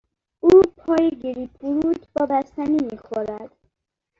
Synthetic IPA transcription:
uːpʰɒːjeɡiɾipʰuɾut̪ʰbɒːbæst̪ænimixoɾæd̪̥

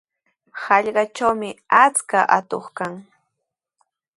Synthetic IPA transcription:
hɑʎɢɑt͡ʃawmɪat͡skaʔat̪oχkaŋ

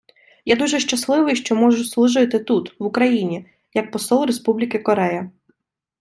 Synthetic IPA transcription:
jad̪uʒɛʃt͡ʃɐslˠɪʋɪjʃt͡ʃɔmɔʒʊslˠuʒʊjt̪ɪt̪ut̪ʋʊkɾɐjinʲi | jɐk̚pɔsɔlˠɾespublʲikɪkɔɾɛjɐ

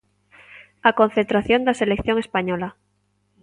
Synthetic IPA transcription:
akõ̞nθent̪ɾaθjo̞nd̪aselekθjo̞ŋespaɲola

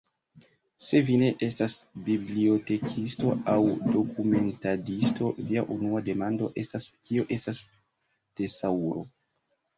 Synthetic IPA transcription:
se̞vine̞ʔe̞stasbiblio̞te̞kʰisto̞awdo̞kume̞ntadisto̞viaʔunuade̞mando̞ʔe̞staskio̞ʔe̞stas | d̥e̞sauɾo̞

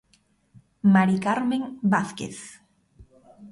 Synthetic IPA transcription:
maɾikaɾmẽŋbaθkḛθ

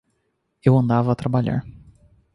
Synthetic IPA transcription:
ewɐ̃nd̪avɐːt̪ɾabaʎa̰ɾ

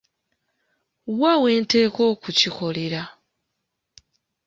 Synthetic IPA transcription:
wawe̞ːnteːko̞ːkucixo̞leɾa

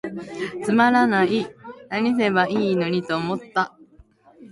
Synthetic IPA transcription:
t͡sɨmaɾanainaɲ̟is̬e̞baʔiːno̞ɲ̟it̪o̞ːmo̞t̪ːa

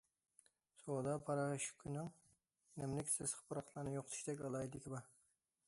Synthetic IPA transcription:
sod̪ɑpʰɑɾɑʃkʲʰynɪŋ | nɛmlɪkʲsɪz̥χə̥pɨɾɑq̪ʰlˠɑɾnɨjoqʰt̪ʰu̥ʃd̪ɛkʲɑlˠɑjid̪ɪkʲʰibɑ

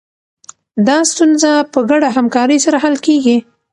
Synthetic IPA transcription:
d̪ɑst̪unzapəɡaɽaɦamkɑɾəjsaɾaɦalkeɡi

